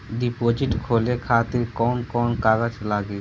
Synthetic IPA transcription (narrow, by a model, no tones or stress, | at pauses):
ɖipoːd͡ʒiʈkʰoːlekʰaːt̪iɾkɔːnkɔːnkaːɡət͡ʃlaːɡe